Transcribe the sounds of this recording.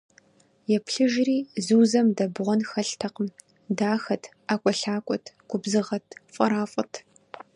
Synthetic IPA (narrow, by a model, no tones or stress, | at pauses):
jɛpʰɬɨʒriːzɨwzɐmdɐbʁʷɔnxɐɬtʰɐqəm | daːxɐtʰ | aːkʷʼɔɬaːkʷʼɔtʰɡ̥ʷʊbzɨʁɐtʰfʼɐɾaːfʼɐtʰ